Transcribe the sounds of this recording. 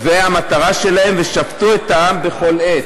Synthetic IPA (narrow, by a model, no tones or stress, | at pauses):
veamat̪aʁaʃe̞lahe̞mveʃaptue̞t̪aambe̞χo̞let